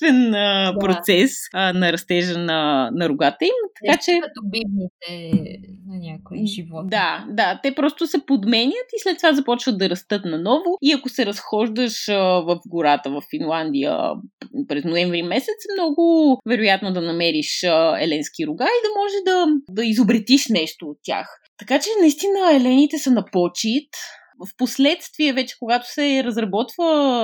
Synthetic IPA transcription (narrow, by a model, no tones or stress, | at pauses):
t̪vɛnəpɾot̪sɛsnɐɾɐst̪ɛʒənɐnɐɾʊɡat̪əimt̪ɐ̥kat͡ʃɛt̪obinit̪ɛ | nʲakoiʒivɔd̪ad̪at̪ɛpɾɔst̪ʊsɛpod̪mɛnʲjət̪islɛt̪ːovazɐpɔt͡ʃvət̪̚d̪ɐɾɐst̪ɤt̪nɐnɔvʊiɐkʊsɛɾɐsxɔʒd̪əʃəvɐfɡʊɾat̪əvɐfːinlˠand̪ijə̰pɾɛznoɛɱvɾimɛsɛt̪smnɔɡʊvɛɾojat̪nod̪ɐnɐmɛɾiʃɛ̰lɛnskiɾʊɡaid̪ɐmɔʒɛd̪ɐd̪ɐizobɾit̪iʃnɛʃt̪oːt̪ːʲja̰x | t̪ɐkat͡ʃɛnɐist̪inəɛlɛnit̪ɛsɐnɐpɔt͡ʃit̪ | fposlɛt̪st̪viɛvɛt͡ʃɛ̥koɡat̪o̥sɛɾɐzɾɐbɔt̪və